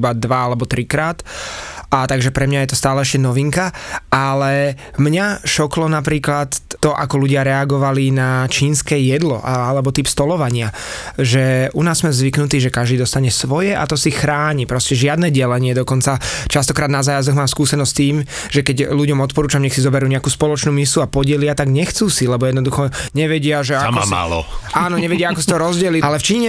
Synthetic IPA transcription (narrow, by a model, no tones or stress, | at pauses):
bad̪ʋaalɛbɔt̪ɾikɾaːt̪ | at̪aɡʒɛpɾɛmɲajɛt̪ɔst̪aːlɛɛʃcɛnɔʋiŋkaalɛmɲaʃɔklɔnapɾiːklat̪ːɔʔa̰kɔluɟɪaɾɛaɡɔʋalinat͡ʃiːnskɛːjɛd̪lɔ̰ʔaalɛbɔt̪ipst̪ɔlɔʋaɲɪa | ʒɛunaːzːmɛzʋiknut̪iːʒɛkaʒd̪iːd̪ɔst̪aɲɛsʋɔjɛʔa̰t̪ɔsixɾaːɲipɾɔscɛʒɪad̪nɛːɟɛlɛɲɪɛd̪ɔkɔnt͡sat͡ʃast̪ɔkɾaːd̪nazaːjazɔɣmaːmskuːsɛnɔsct̪iːm | ʒ̥ɛkɛɟluɟɔmɔt̪̚pɔɾuːt͡ʃamɲɛxsizɔbɛɾuːɲɛakuːspɔlɔt͡ʃnuːmisuapɔɟɛlɪat̪aɡɲɛxt͡suːsilɛbɔjɛd̪nɔd̪uxɔɲɛʋɛɟɪaʒɛama̰ma̰lɔ̰aːnɔɲɛʋɛɟɪaakɔsi̥t̪ɔɾɔzɟɛlialɛft͡ʃiːɲɲɛ